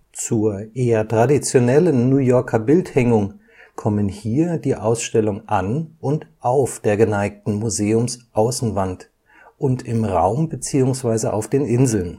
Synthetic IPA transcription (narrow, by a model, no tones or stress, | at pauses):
t͡suːɐʔeːɐtʁ̥adit͡sjonɛlənːujɔɐkʰɐbɪlthɛŋʊŋ | kʰɔmənhiːɐdiːʔaʊsʃtɛlʊŋʔanʔʊntʔaʊfd̥eːɐɡənaɪk̚tn̩muzeːʊmsʔaʊsn̩vant | ʔʊntʰɪmʁa̰ʊmbət͡siːʊŋsv̥aɪzəʔa̰ʊfd̥eːnʔɪnzl̩n